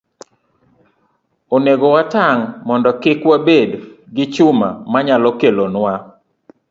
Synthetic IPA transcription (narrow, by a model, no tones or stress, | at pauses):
oneɡowataŋmɔndɔkɪkwabedɡɪt͡ʃʊma̰maɲalɔkelonwa